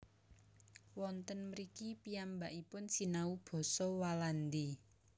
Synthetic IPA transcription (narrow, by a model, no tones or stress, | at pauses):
wɔnt̪ənməɾikipiambaʔipʊnsinaub̥ɔ̤sɔwaland̪i